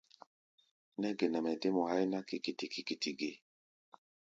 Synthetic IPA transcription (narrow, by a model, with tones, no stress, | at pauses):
nɛ˦ɡe˨nɛ˨mɛ˨de˦mo˨ha˦jna˦ki˨ki˨ti˨ki˨ki˨ti˨ɡe˦